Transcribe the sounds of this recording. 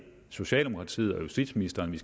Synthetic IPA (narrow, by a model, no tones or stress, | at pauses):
so̝ɕɛ̰ːld̥e̝mo̝kʰʁɑ̈t͡sʰḭːð̩ˠɒ̽jusd̥id̥sminisd̥ɐːnʋis